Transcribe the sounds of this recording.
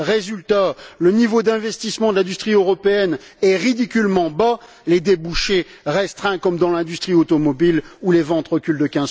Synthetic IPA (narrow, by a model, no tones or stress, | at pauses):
ʁezylt̪alənivod̪ɛ̃vɛst̪ismɑ̃d̪əlɛ̃d̪yst̪χiøʁɔpeɛnɛʁid̪ikʲylmɑ̃ba | led̪ebuʃe | ʁɛst̪χɛ̃kɔmd̪ɑ̃lɛ̃d̪yst̪χiot̪ɔmɔbilulevɑ̃t̪ʁəkʲyld̪əkʲɛ̃z